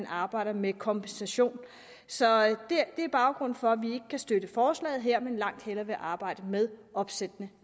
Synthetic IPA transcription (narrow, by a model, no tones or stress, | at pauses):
nɑ̈ːb̥ɑ̈ɪ̰ɾ̥ɐmekʰɒ̽mb̥ensæɕo̝̰ːn | sɒ̽d̥ed̥e̝æɐb̥ɑ̈ʊɡ̥ʁɔ̽n̰n̩fɒ̽æʋie̝ɡ̥əkʰæsd̥ød̥əfɒːslɛ̰ːð̩ˠɦeɐ̰menlɑ̈ŋ̰d̥helɐʋe̝ʔɑ̈ːb̥ɑ̈ɪ̰d̥əmeð̞ˠʔɒ̽b̥sed̥nə